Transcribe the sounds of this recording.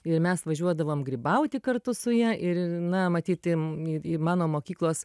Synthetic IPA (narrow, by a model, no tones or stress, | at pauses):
ɪrmʲɛsʋɐʒʲuɔd̪ɐʋoːmɡɾʲɪbɐʊt̪ʲɪkɐrt̪ʊsʊjiɛʔɪɾnɐmɐt̪ʲiːt̪ɪɪɪmɑːnoːmoːkʲiːklˠoːs